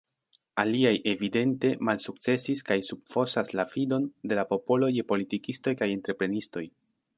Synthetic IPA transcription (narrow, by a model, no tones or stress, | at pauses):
aliajʔe̞vide̞nte̞malsuk̚t͡se̞siskajsub̚fo̞saslafido̞nde̞lapo̞po̞lo̞je̞po̞litikisto̞jkaje̞ntɾe̞pɾe̞nisto̞j